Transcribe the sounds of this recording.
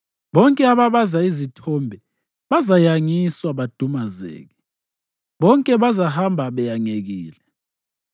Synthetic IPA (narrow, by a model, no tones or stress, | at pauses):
βɔŋkʼɛaβaβazaizitʰɔmbʱɛ | βazajaŋiswaβad̥ʱumazɛ̰ːɣɛ | βɔŋkʼɛβazahambʱaβɛjaŋeɣiːlɛ